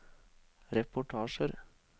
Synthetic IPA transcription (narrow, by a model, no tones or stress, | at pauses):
ɾɛpʊʈʰɑːʃəɾ